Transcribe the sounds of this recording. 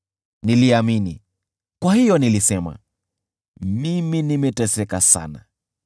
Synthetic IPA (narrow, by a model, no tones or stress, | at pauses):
niliaminḭ | kwahijɔnilisɛma̰ | miminimɛtɛsɛkasa̰na̰